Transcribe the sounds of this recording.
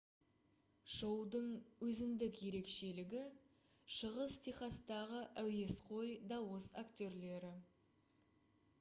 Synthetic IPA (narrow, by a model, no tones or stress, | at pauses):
ʒ̥əwd̪əɴwɵzɪnd̪ɪkje̞ɾe̞kʃe̞lɪɡʲɪ | ʃəʁəst̪ʰijχɑst̪ɑʁəʔæwe̞sqʰo̞jd̪ɑwəsakt̪ʲo̞ɾle̞ɾɪ